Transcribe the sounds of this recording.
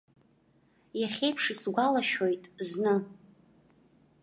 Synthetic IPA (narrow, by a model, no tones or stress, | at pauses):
jaχʲejpʰʂisɡʷalaʃᶣojtʼznɨ